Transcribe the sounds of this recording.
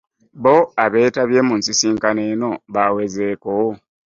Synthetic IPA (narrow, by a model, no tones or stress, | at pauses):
βoaβe̞ːtaβje̞ːmuːnsisiːŋkaneːno̞βawezeːkowo